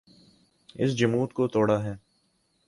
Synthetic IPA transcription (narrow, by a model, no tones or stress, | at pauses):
ɪ̰s̬d͡ʒɐmuːt̪kot̪oːɽaɦɛː